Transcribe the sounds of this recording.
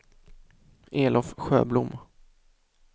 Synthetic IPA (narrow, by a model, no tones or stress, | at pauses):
ʔeːlɔfɧø̰ːblʊm